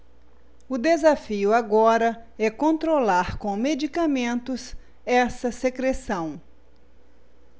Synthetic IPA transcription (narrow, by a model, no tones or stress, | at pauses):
ʊd̪ezafiʊaɡɔɾɐɛkõnt̪ɾolaɾkõw̃med͡ʒikamẽnt̪ʊs | ɛsɐsekɾesɐ̃w̃